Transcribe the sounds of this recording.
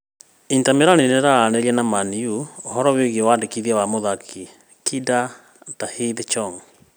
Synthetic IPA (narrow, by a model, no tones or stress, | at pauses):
intameɾaneneɾaːnɛɾiɛnamaniuoɦɔɾɔweɣewaːndekiðiawamoðakʰi | kʰida | tahiðt͡ʃɔŋ